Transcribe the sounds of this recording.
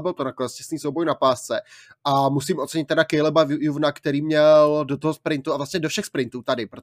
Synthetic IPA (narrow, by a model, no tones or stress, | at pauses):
bɪlt̪onakolɛscɛ̥sniːsowbojnapaːst͡sɛ | ʔamusimʔot̪t͡sɛɲɪt̪ːɛdakɛjlɛbajuvnakt̪ɛɾiːmɲɛldot̪oɦospɾɪnt̪uavlasɲɛdofʃɛxspɾɪnt̪uːt̪adɪpɾo